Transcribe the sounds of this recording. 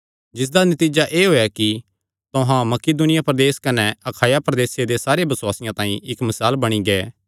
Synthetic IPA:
d͡ʒɪs̬d̪anɐt̪iːd͡ʒaʔeːɦoːjaki | t̪oɦãmɐkid̪ʊnɪjapɾɐd̪eːskɐnɛɐkʰaːjapɾɐd̪eːsjed̪esaːɾebɐswaːsɪjãt̪ãːĩɪkmɐsaːlbɐɽ̃iɡeː

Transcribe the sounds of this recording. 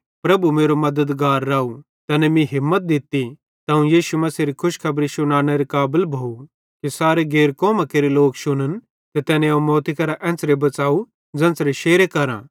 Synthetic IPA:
pɾɐbumeːɾomɐd̪əd̪ɡaːɾːaːu | t̪ɛːnɛ̃mĩɦɪmːət̪̚d̪ɪt̪ːi | t̪aːũjiːʃumɐsiːɾikʰʊʃkʰɐbɾisʊñaːɽ̃eɾekaːbəlbʱoːu | kisaːɾeɡeːɾkɔːmakeːɾeloːkʃʊñən | t̪et̪ɛːnẽõmɔːt̪ikɐɾaʔɛ̃ːnt͡sɾebɐt͡saːu | d͡zɛ̃ːnsɾeʃeːɾekɐɾã̰

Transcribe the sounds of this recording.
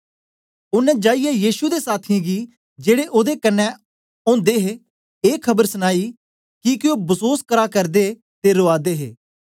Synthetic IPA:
ʊnɛ̃ːd͡ʒaːijɛjiːʃud̪eːsaːt̪ʰɪãɡiː | d͡ʒeːɽeʔoːd̪ekənːɛ | õːd̪eɦe | eːkʰəbəɾsnaːiː | kikɪõːbəsoːskəɾaːkəɾd̪eː | t̪eɾoːaːd̪eːɦeː

